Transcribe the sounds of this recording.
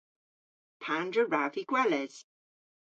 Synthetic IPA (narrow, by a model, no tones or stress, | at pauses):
pʰãndɹəɹaviɡ̥wɛlɛz̥